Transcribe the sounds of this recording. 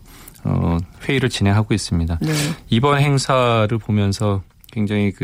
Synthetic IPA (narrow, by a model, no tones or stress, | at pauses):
ʌ̰ɸwe̞iɾɯɭt͡ɕinɦe̞ŋɦaɡois͈ɯmɲidanibʌnɦe̞ŋsʰaɾɯɭpomjʌnsʰʌ | kwe̞ŋd͡ʑaŋikɯ